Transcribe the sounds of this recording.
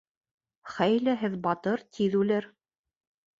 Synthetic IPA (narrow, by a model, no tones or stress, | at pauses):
χæjlæɦɘðbɑt̪ɤɾt̪ʰiðʉlɘɾ